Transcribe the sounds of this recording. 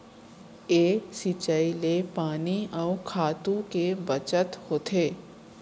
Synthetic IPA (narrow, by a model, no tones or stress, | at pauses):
eːsit͡ʃəilepaːniɔːkʰaːt̪ũkebət͡ʃət̪hoːt̪ʰeː